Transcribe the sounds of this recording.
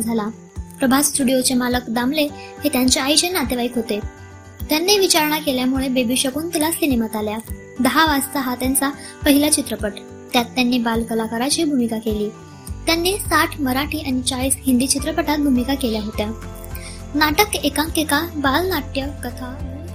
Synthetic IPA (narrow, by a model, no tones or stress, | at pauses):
d͡zʱala | pɾəbʱassʈuɽijot͡semaləkd̪amle | het̪jaɲt͡ɕeajɕenat̪eʋaikɦot̪e | t̪janːeʋit͡ɕaɾɳ̃akeljamuɭebebiɕəkuːnt̪ilasinemat̪alja | d̪əɦaʋast̪aɦat̪jãnt͡sa | pəɦilat͡ɕit̪ɾəpəʈ | t̪jat̪ːjanːiːbalkəlakaɾat͡ɕiːbʱumikakeliː | t̪janːesaʈʰməɾaʈiːañit͡ɕaɭiːsɦind̪iːt͡ɕit̪ɾəpəʈat̪̚bʱumikakeljaɦot̪ja | naʈəkekãŋkekabalnaʈjəkət̪ʰa